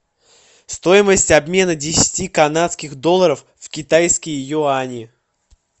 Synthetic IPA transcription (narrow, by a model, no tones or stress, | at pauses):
st̪o̞jɪməsʲtʲɐbmʲe̞nədʲɪsʲɪ̥tʲikɐnat̪skʲɪxd̪o̞lˠːəɾəf | vkʲɪt̪ajskəjɪjoanʲɪɪ